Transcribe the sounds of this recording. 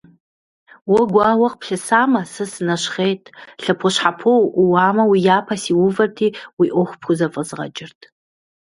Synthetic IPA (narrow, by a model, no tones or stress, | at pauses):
wɐɡʷawɐqʼpʰɬɨsaːmɐsɨsnaʃχejtʼɬɐpʰoʃħapʰowʔwaːmɐwijaːpʰasiwʊvɐrtʰiwiʔoχʷpʰxʰʷuzɐfʼəzʁɐ̰d͡ʒɪrtʼʰ